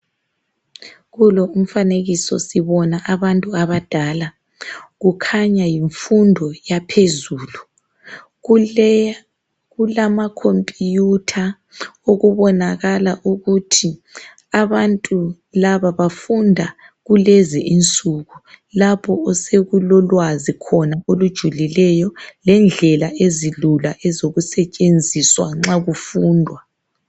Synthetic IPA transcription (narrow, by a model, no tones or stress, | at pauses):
ɣulɔum̩faneɣisɔ̰siβɔnaʔaβantʼuaβad̥ʱala | ɣukʰaɲajiɱfundʱɔjapʰezuːlu | ɣulamakʰompʼijutʰa | oɣuβɔnaɣalaʔuɣutʰi | aβantʼu | laβaβafundʱa | ɣulɛzɛʔint͡sʼuɣulapʰɔɔseɣulɔlwazikʰɔnaolud̥ʒ̥ʱulilɛjɔlɛnd͡ɮʱɛlaʔezilulaʔɛzoɣusɛt͡ʃʼend͡zʱiswa̰ŋ͡ǁaɣufuːndʱwa